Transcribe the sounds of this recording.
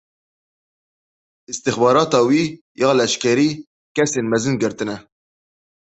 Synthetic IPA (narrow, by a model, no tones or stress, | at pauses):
ɨst̪ɨxbɑːɾɑːt̪ɑːwiː | jɑːlɛʃkɛɾiː | kɛseːnmɛzɨnɡɨɾt̪ɨnɛ